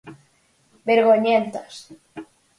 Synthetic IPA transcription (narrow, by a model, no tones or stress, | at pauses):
beɾɣoɲẽnt̪os